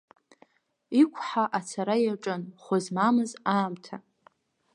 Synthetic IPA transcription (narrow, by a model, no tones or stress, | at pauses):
ikʷʰħaʔat͡sʰaɾajaʈ͡ʂʼɨnχʷʊzmamɨzaːmtʰa